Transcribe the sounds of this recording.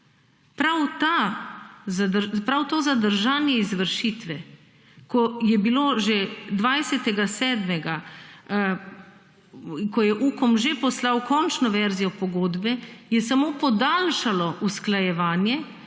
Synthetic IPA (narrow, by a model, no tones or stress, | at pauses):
pɾawt̪a | pɾawt̪oːzad̪əɾʒaːnjɛizʋəɾʃiːt̪ʋɛ | kɔjɛbiloʒed̪ʋajsɛt̪ɛɡasɛːd̪mɛɡa | kɔjɛʔuːkɔmʒepɔslawkɔnt͡ʃnɔʋɛɾzijɔpɔɡoːd̪bɛjɛsamoːpɔd̪aːlʃalɔʔusklajɛʋaːnjɛ